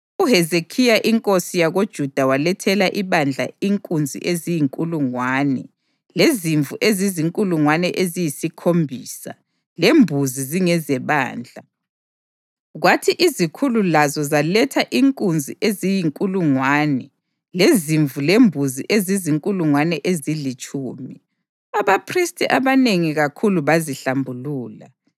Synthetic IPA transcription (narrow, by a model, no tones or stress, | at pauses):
uɦɛzekʰijaʔiŋkʼosijaɣod̥ʒ̥ʱud̥ʱawalɛtʰɛlaʔiβand͡ɮʱa̰iŋkʼund͡zʱḭʔezijiŋkʼuluŋwanɛ̰ | leziɱvʱuʔeziziŋkʼuluŋwanɛʔezijisikʰombʱiːsa̰ | lembʱuziziŋɛzɛβa̰ːnd͡ɮʱa | ɣwatʰiʔizikʰululazɔzalɛtʰaʔiŋkʼund͡zʱiʔezijiŋkʼuluŋwaːnɛ | leziɱvulembʱuziʔeziziŋkʼuluŋwanɛʔezilit͡ʃʼuːmi | aβapʰristʼiʔaβaneŋiɣakʰuluβaziɬambʱuluːla̰